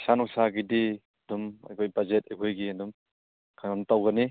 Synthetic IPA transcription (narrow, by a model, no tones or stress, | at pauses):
sanɔŋsaɡidi | ɐduma̰jkʰojbazet̚ajkʰojɡiɐdum | kʰajanatawɡɐni